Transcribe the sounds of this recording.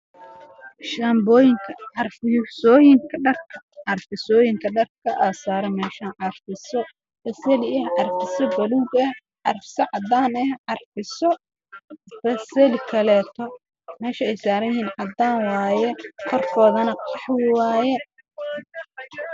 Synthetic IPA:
ʃɐmbɔːjɪŋkʰɐʕɑrfsɔːjɪŋkʰɐɖɐrkʰɐ | ʕɑrfɪsɔːjɪŋkʰɐɖɐrkʰɐʔaːsaːɾɛmɛːʃaʕɑrfɪsɔ | fɐsɐlɪɐhʕɑrfɪsɔbɐluwɡɐh | ʕɑrfɪsɐʕɑd̪aːnɛhʕɑrfɪsɔ | fɐsɛlɪkʰɐlɛːt̪ʰɔ | mɛːʃɐɛjsaːɾɐnjɛhiːnʕɑd̪aːnwɑːjɛqʰɔrkʰɔːðɐnɐqɑħwɪwaːjɛ

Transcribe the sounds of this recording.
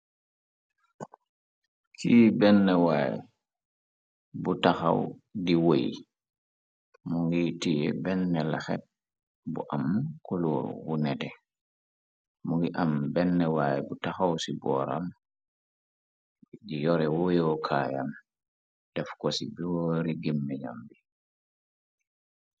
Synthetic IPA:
kʰiːbɛnːɛwaːj̰ | butaxa̰wdiwoji | muŋɡitijɛ̰bɛnːɛlaxɛ̰ | bṵʔamːkulɔwunɛtɛ | muŋɡiʔambɛnːɛwaːjɛbutaxawsibɔɾa̰m | d͡ʒijɔɾɛwɔjɔwkʰaːja̰m | d̥ɛfkɔsibɔɾiɡimːɛɲa̰mbi

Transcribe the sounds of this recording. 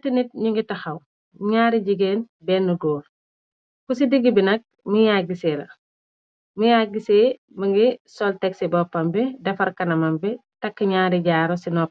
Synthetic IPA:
tinit̚ɲiŋɡitɐxɐw | ɲaːɾiɟiɡeːnbɛːnːɐɡoːl | kusidiɡːibinɐk̚ | mujaɡiseːlɐ̰ | mujaːɡiseː | mɐŋɡisɔltɛksibɔpːɐmbɛdɐfɐrkɐnɐmɐmbɛ | tɐkːiɲaːɾiɟaːɾɔsinɔp̚

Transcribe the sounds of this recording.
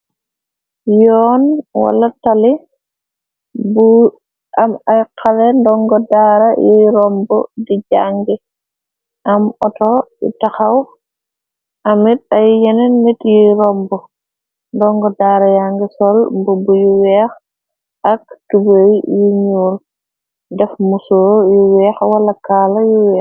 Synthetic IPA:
jɔːnwa̰lɐtali | bu | amajkʰalɛndɔŋɡɔdaɾajijɾɔmbɔ̰diɟaŋɡi | ʔɐmɔtɔḭtaxaw | ɐmit̚ɐjːɛnɛmitjiɾɔmbɔ | ndɔŋɡɔdaːɾɐjaːŋɡisɔlmbubujuwɛːx | ɐk̚tubəjijiɲuːl | dɛfmusuɾjuwɛːxwɐlɐkaːlɐjuwɛːx

